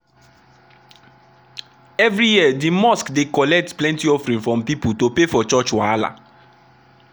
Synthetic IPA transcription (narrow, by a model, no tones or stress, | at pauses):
ɛvɹijiədimɔskdekɔlɛk̚tplɛ̃ntiɔfɹĩnfɹɔ̃mpiputopefɔt͡ʃɔt͡ʃwala̰